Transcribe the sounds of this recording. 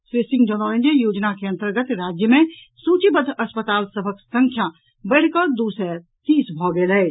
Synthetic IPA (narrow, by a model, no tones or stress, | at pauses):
seːsɪ̃ŋɡd͡ʒɔːnɔːɾẽnd͡ʒəjoːd͡ʒnakeɐ̃nt̪əɾɡət̪ɾaːd͡ʒjəmẽ | suːt͡ʃibəd̪ʱɐspət̪aːlsɐbʱəksə̃ŋkʰjã | bəːɽkɔːd̪uːsɛː | t̪iːsbʱɔːɡelɦɛː